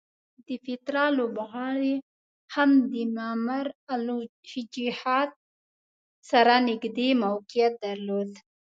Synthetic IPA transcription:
d̪əfɪt̪ɾɑlobaɣɑɾe | hamd̪əmamaɾalohɪd͡ʒihɑt̪̚ | saɾanɪɡd̪emawqijat̪̚d̪aɾlod̪

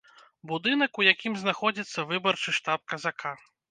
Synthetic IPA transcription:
bud̪ɨnɐkujakʲimznaxɔd͡zʲit̪sːɐvɨbɐrt͡ʂɨʂt̪ap̚kɐzakʰa

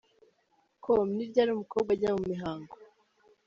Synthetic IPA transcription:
kʰomniɾɟaːɾuːmukobɡaɟamumiɦaːŋɡo

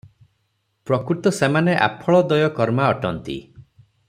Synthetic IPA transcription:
pɾɔkɾut̪ɔsemaneʔa̰pʰɔɭɔd̪ɔjɔkɔɾmaɔʈɔnt̪ḭ

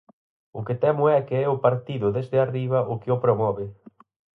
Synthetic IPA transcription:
ʊkɪt̪ɛmʊɛkeɛʊpaɾt̪iðʊðezðɪariβɐʔʊkɪʊpɾomɔβɪ

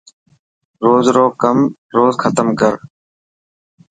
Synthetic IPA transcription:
ɾoːzɾoːkəm | ɾoːzxʰət̪əmkəɾ

